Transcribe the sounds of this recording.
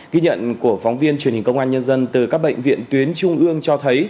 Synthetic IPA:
ɣi˧ɲə̰˧˨nku˧˩əfɔ˨˦ŋ͡mvi˧ənt͡ɕwi˧˩nhi˨˩ŋkə˧wŋ͡mʔaː˧nɲə˧nzə˧nt̪ɨ˨˩kaː˦˥k̚ɓə̰˧˨jŋ̟vḭ˧˨ənt̪wi˨˦ənt͡ɕʊ˧ŋ͡mʔɨ˧əŋt͡ɕɔ˧t̪ʰə˨˦j

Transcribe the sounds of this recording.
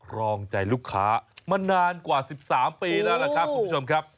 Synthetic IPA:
kʰɾɔː˧ŋt͡ɕa˧jluː˦˥˩kʰːa̰ː˦˥ma˧naː˧nkwaː˨˩si˨˩p̚saː˩˦mpiː˧lɛː˦˥wla˦˧kʰɾa˦˥p̚kʰːuː˧˦˥o˧mkʰɾa˦˥p̚

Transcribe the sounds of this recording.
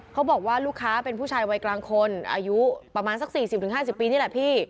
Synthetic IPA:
kʰa˦˥wbɔː˨˩k̚waː˥˩luː˥˩kʰːaː˦˥pe˧npʰuː˥˩t͡ɕʰaː˧jwa˧jklaː˧ŋkʰo˧nʔa̰ː˧ju˦˥pɾa˧maː˧nsa˨˩k̚siː˨˩sp̚t̪ɯ˩˦ɦaː˥˩s̬i˨˩pːiː˧niː˥˩lɛ˨˩pʰiː˥˩

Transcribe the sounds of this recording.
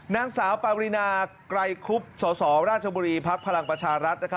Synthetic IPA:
naː˦˥ŋsaː˩˦wpaː˧wɾi˧naː˧kɾa˧jkʰu˦˥p̚sɔː˩˦sɔː˩˦ɾaː˥˩t̪̚t͡ɕʰa˧buː˧ɾiː˧pʰa˦˥k̚pʰa˧ɾa˧ŋpɾa˧t͡ɕʰaː˧ɾa˦˥t̪̚na˦˥kʰa˦˥

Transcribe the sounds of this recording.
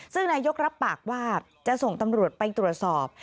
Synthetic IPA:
sɯ˥˩ŋnaː˧jo˦˥k̚ɾa˦˥pːaː˨˩k̚waː˥˩ | t͡ɕa˨˩so˨˩ŋt̪a˧mɾu˨˩ət̪̚pa˧jt̪ɾu˨˩ət̪̚sɔː˨˩p̚

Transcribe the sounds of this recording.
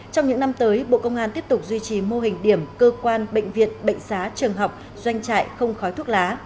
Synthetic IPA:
t͡ɕɔ˧wŋ͡mɲɨ̰˧˥ŋna˧mt̪əː˨˦jɓo̰˧˨kə˧wŋ͡mʔaː˧nt̪i˦˥əp̚t̪ʊ˨˩k͡p̚zwi˧t͡ɕi˨˩mo˧ɦï˨˩ŋ̟ɗi˧˩əmkəː˧kwaː˧nɓə̰˧˨ŋ̟vḭ˧˨ənɓə̰˧˨ŋ̟saː˨˦t͡ɕɨ˨˩əŋɦa˨˩wk͡p̚ | zwa˧jŋ̟t͡ɕa̰ː˧˨jxə˧wŋ͡mxɔ˨˦jt̪ʰu˦˥k̚laː˨˦

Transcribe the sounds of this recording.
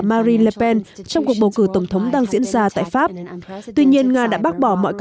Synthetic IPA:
maː˧zi˧nlə˧pɛ˧nt͡ɕɔ˧wŋ͡mku˨˩ək̚ɓə˨˩wkɨ˧˩kt̪ə˧˩wŋ͡mt̪ʰə˨˦wŋ͡mɗaː˧ŋzḭ˧˥ənzaː˧t̪a̰ː˧˨jfaː˦˥p̚t̪wi˧ɲi˧ənŋaː˧ɗa̰ː˧˥ɓaː˦˥t̚ɓɔ˧˩mɔ̰˧˨jk

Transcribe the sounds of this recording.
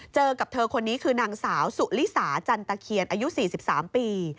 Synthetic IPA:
t͡ɕɤː˧ka˨˩p̚t̪ʰɤː˧kʰo˧nːiː˦˥kʰɯː˧naː˧ŋsaː˩˦wsu˨˩ʔli˦˥saː˩˦t͡ɕa˧nt̪a˧kʰi˧ənʔaː˧ju˦˥ʔsiː˨˩si˨˩p̚saː˩˦mpiː˧

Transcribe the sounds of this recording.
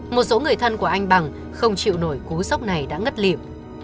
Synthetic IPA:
mo˨˩t̚so˨˦ŋɨ˨˩əjt̪ʰə˧nku˧˩əʔa˧jŋ̟ɓa˨˩ŋ | xə˧wŋ͡mt͡ɕḭ˧˨wno˧˩jku˨˦za˦˥wk͡p̚na˨˩jɗa̰ː˧˥ŋə˦˥t̚lḭ˧˨əm

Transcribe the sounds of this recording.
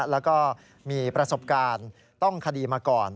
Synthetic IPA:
lɛː˦˥wkɔː˥˩ | miː˧pɾa˧so˨˩p̚kaː˧n | t̪ɔ˥˩ŋkʰa˧diː˧maː˧kɔː˨˩n

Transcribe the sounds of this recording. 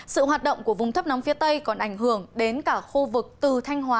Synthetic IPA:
sɨ̰˧˨hɦaː˨˩t̚ɗə̰˧˨ŋ͡mku˧˩əvʊ˨˩ŋ͡mt̪ʰp̚nɔ˨˦ŋ͡mfi˨˦ət̪ə˧jkɔ˨˩nʔa˧˩jŋ̟ɦɨ˧˩əŋɗe˨˦nkaː˧˩xu˧vɨ˨˩k̚t̪ɨ˨˩t̪ʰa˧jŋ̟ɦwaː˨˦

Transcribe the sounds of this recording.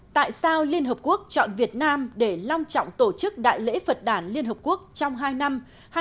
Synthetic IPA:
t̪a̰ː˧˨jsaː˧wli˧ənɦəː˨˩p̚ku˦˥ək̚t͡ɕɔ̰˧˨nvi˨˩ət̚naː˧mɗe˧˩la˧wŋ͡mt͡ɕɔ̰˧˨wŋ͡mt̪o˧˩t͡ɕɨ˦˥k̚ɗa̰ː˧˨jlḛ˧˥fə˨˩t̚ɗaː˧˩nli˧ənɦəː˨˩p̚ku˦˥ək̚t͡ɕɔ˧wŋ͡mɦaː˧jna˧m | h

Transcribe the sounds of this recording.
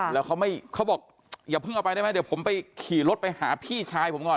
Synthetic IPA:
lɛː˦˥wkʰa˥wma˥˩jkʰa˦˥wbɔː˨˩k̚ | jaː˨˩pʰɯ˥˩ŋʔwpa˧ɾa˥˩m˦˥˩d̪i˩˦pʰo˩˦mpa˧jkʰiː˨˩lo˦˥t̪̚pa˧jhaː˩˦pʰiː˥˩t͡ɕʰaː˧jpʰo˩˦mkɔː˨˩n

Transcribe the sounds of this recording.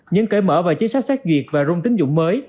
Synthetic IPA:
ɲɨ˧ŋkə˧˩mə̰ː˧˩vaː˨˩wt͡ɕi˨˦sa˦˥t̚sɛː˦˥k̚zwi˨˩ək̚vaː˨˩zʊ˧ŋ͡mt̪ï˨˦ŋ̟zʊ̰˧˥ŋ͡mməː˨˦j

